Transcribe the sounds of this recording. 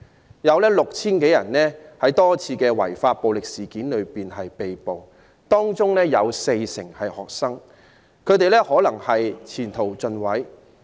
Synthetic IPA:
jɐ˨˧wlɛː˥lʊ˨k̚t͡sʰiː˥nke˨˥jɐ˨˩nlɛː˥hɐ˨˥jt̪ɔː˥t͡sʰiː˧kɛː˧wɐ̰˨˩jfaː˧t̚po˨wlɪ˨k̚siː˨˩kiː˨˥nlɵ˨˧ɥpiː˨˩nɦɐ˨jpe˨jpo˨w | t̪ɔː˥ŋt͡sʊ˥ŋlɛː˥jɐ˨˧wse˧jsɪ̰˨˩ŋhɐ˨jhɔː˨k̚sɐ˥ŋ | kʰɵ˨˧ɥt̪e˨jlɛː˥hɔː˨˥lɐ˨˩ŋhɐ˨jt͡sʰiː˨˩nt̪ʰo˨˩wt͡sɵ˧nwɐ˨˥j

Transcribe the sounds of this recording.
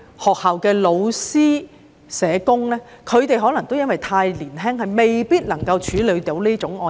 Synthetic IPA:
hɔː˨k̚haː˨wkɛː˧lo˨˧wsiː˥ | sɛː˨˧kʊ˥ŋlɛː˥ | kʰɵ˨˧ɥt̪e˨jɦɔː˨˥lɐ˨˩ŋt̪o˥wjɐ˥nwɐ˨jt̪ʰaː˧jliː˨˩nɦɛː˥ŋhɐ˨jme˨jpiː˥t̚lɐ˨˩ŋkɐ˧wt͡ʃʰyː˨˥lɵ˨˧ɥt̪i˨˥wliː˥t͡ʃʊ˨˥ŋɔː˧

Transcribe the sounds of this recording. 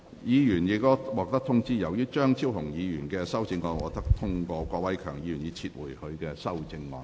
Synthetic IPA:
jiː˨˧jyː˨˩njiː˨˥k̚t̪ɔ˥wɔː˨˩k̚t̪ɐ˥k̚t̪ʰʊ˥ŋt͡siː˥jɐ˨˩wjyː˥t͡ʃœː˥ŋt͡sʰiː˥wɦʊ˨˩ŋjiː˨˧jyː˨˩nkɛː˧sɐ˥wt͡sɪ˧ŋːɔː˧nwɔː˨k̚t̪ɐ˥k̚t̪ʰʊ˥ŋkɔː˧kʷɔː˧wɐ˥jkʰœː˨˩ŋjiː˨˧jyː˨˩njiː˨˧t͡sʰiː˧t̚wṵ˨˩jhɵ˧ɥkɛː˧sɐ˥wt͡sɪ˧ŋːɔ̰ː˨˧n

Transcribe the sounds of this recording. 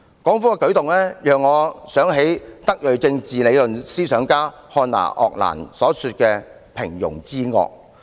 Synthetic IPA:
kɔː˨˥ŋfuː˥kɛ˧kɵ˨˥ɥt̪ʊ˨ŋlɛː˥jœː˨ŋːɔː˨˧sœː˨˥ŋɦe˨˥jt̪ɐ˥k̚jɵ˨ɥt͡sɪ˧ŋt͡siː˨le˨˧jlɵ˨nsiː˥sœː˨˥ŋkaː˥ | hɔː˧na̰ː˨˩ʔɔ̰ː˨˧k̚la̰ː˨˩nsɔː˨˥syː˧t̚kɛː˧ | pʰɪ˨˩ŋjʊ̰˨˩ŋt͡siː˥ŋɔ̰ː˧k̚

